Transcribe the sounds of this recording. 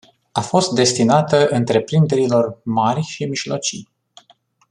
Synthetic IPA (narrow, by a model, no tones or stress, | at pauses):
afo̞st̪̚d̪e̞st̪inat̪əʔɨnt̪ɾe̞pɾind̪e̞ɾilo̞rmarʲʃimiʒlo̞̰t͡ʃij